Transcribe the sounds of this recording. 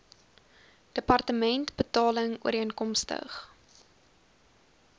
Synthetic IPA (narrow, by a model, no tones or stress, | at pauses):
d̥əpɐrtəmɛntbətɑːləŋuəɾənkɔmstə̰χ